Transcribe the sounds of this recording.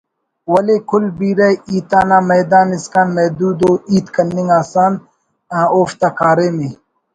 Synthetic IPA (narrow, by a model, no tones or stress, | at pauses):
wɐleːkʰʊlbiːɾɐiːt̪aːnaːmɐːd̪aːniskaːnmɐːd̪uːd̪oːiːt̪kɐnːiŋɡaːsaːn | ãːoːft̪ɐkʰaːɾeːmeː